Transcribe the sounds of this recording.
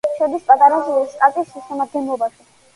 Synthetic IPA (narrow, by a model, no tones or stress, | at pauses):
ʃɛd̪ispʼat̪ʼaɾazuist̪ʼat̪ʼisːisɛmad̪̚ɡɛnlˠɔbaʃi